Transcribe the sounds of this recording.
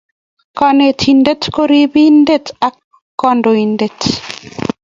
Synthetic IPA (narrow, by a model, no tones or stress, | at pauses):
kanet̪ʰindetkoɾibindetakː | ɔndoindet